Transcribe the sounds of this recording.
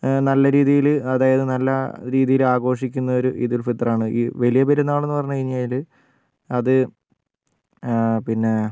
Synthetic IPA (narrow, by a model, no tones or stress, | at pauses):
nɐlːɐɾiːðijilɐðaːjɐðɨnɐlːɐɾiːðijilaːɡo̞ːʂikʲːunːɐo̞ɾuʔiðulfit̪ːraːɳɨiʋɐlijɐbeɾunːaːɭe̞nːɨpɐrɐɲːukɐɻiɲːjaːjil | ɐðɨ | pinːe̞